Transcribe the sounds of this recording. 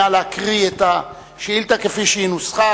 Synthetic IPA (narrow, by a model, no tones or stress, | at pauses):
aleakʁiet̪a | ʃeilt̪akefiʃeinusχa